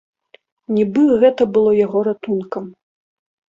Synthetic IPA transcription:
nʲibɨɣɛt̪ɐbɨlˠɔjaɣɔɾat̪unkɐm

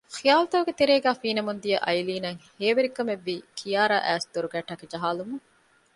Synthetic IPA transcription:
xijaːlɐt̪ɐʋɡet̪eɾeːɡæːfiːnɐmund̪ijɐʔɐjliːnɐŋheːʋeɾikɐmeʋːiːkʰijaːɾa̰ːʔæːsd̪oɾuɡæːʈɐked͡ʒɐɦaːlumuŋ

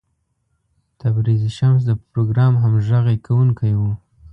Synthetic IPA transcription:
t̪abɾiziʃams̬d̪əpɾoɡɾɑmɦamʒaɣajkʰawuŋkʰajwu

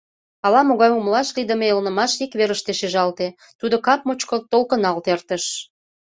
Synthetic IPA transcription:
ɑlɑmoɣɑjumlɑʃrid̪əmeelnə̆mɑʃikβeɾəʃt̪eʃeʒɑlt̪e | t̪ud̪okɑp̚mot͡ɕkot̪olkənɑlt̪ert̪əʃ

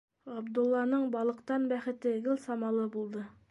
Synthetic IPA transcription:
ɑbd̪ŭlˠːɑnɤɴbɑlˠɤ̆qt̪ɑnbæχɘ̆t̪ɘɡɘlʲˠsɑmɑlˠɤbulˠd̪ɤ

